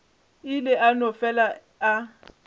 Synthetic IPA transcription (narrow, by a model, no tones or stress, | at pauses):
ɪlɪʔanɔfɛla | a